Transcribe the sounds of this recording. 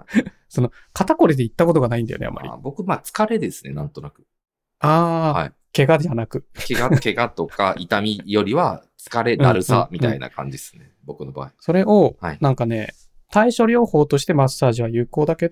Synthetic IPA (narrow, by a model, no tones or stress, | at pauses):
so̞no̞ | kat̪ako̞ɾʲid̪e̞it̪ːako̞t̪̬o̞ɡanaĩnd̪ajo̰nea̰mːa̰ɾḭbo̞kɯ̟mat͡sɨ̥kaɾe̞d̪e̞sɨne̞̰nãnt̪o̞nakɯ̟ | aːa̰i | ke̞ɡad̪anakɯ̟keɡakeɡat̪o̞kaʔit̪amʲijo̞ɾʲiβat͡sɨ̥kaɾe̞ɯ̟ãɾɯ̟sa̰mʲit̪ãina̰kã̰ɲ̟d͡ʑisɨ̥nebo̞kɯ̟noba̰ːiso̞ɾe̞ʔo̞ha̰inãŋkane̞ | t̪aiɕo̞ɾʲo̞ːho̞ːt̪o̞ɕi̥t̪e̞masːaːʑiβajɯ̟ːko̞ːd̪ake̞